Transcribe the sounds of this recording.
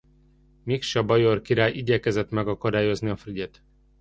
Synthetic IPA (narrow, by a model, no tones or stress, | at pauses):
mikʃɒbɒjorkiɾaːjiɟɛkɛzɛt̪mɛɡɒkɒd̪aːjo̞zniɒfryɟeːt̪